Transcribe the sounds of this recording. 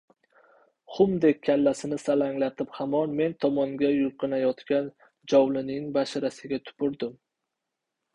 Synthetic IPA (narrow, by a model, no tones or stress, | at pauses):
χʊmd̪ek̚ʲʰːalːasɪnɪsalaŋlat̪ʰɪphamɒnme̞nt̪ʰɒmɒŋɡʲajʊlqɨnajɒt̪kʲan | d͡ʒɒwlɪnɪŋbaʃɾasɪɡʲat̪ʰʊ̥pʊɾd̪ɪm